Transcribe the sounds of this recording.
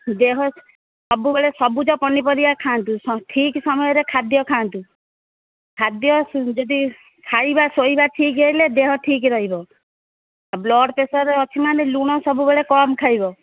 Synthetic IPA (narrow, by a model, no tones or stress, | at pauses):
d̪eɦɔ | sɔbubeɭesɔbud͡ʒɔpɔnipɔɾibakʰaːnt̪usɔʈʰiksɔmɔjɔɾekʰad̪jɔkʰaːnt̪u | kʰad̪jɔd͡ʒɔd̪i | kʰajbasoibaʈʰikɔiled̪eɦɔʈʰikɾɔɦibɔ | ablɔɽpesɔɾeɔt͡ʃʰimaneluɽ̃ɔsɔbubeɭekɔmkʰajbɔ